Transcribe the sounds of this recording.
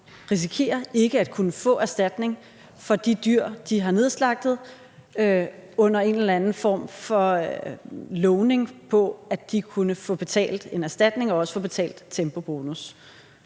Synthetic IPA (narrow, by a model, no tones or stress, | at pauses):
ʁis̬ikʰe̝̰ːɐe̝ɡ̥əæd̥̚kʰunəfɔ̰̽ːæɐsd̥æd̥ne̝ŋ | fɒ̽d̥id̥yɐ̰d̥iɦɑ̈ne̝ðˠslɑ̈ɡ̥̚d̥ð̩ˠ | øɔ̽n̰ɐe̝nelɐænn̩fɒ̰ːmfɒ̽ | lɔʊne̝ŋpʰɒ̽æd̥ikʰunəfɔ̰̽ːb̥e̝t͡sʰɛ̰ːld̥e̝næɐsd̥æd̥ne̝ŋɒ̽ɒ̽sə̥fɔ̽b̥e̝t͡sʰɛ̰ːld̥t͡sʰemb̥o̝b̥o̝ːnus